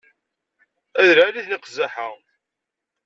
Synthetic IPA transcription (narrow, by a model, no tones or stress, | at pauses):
æðɾaliðnəqzaħəʁ